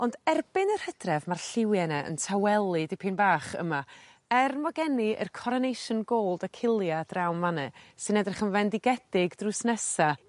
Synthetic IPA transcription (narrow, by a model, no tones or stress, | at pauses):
ɔndɛrbɪnər̥həd̥rɛvmarɬɪwjɛnɛə̰ntʰawɛlˠidɪpʰinbaːχə̰ma | ɛrmɔɡɛniə̰rkʰɔɾɔnejʃɔnɡoːlˠdəkʰɪlˠjadrawnmanɛsɨnɛdrɛχənvɛndɪɡɛdɪɡdrʊsnɛsa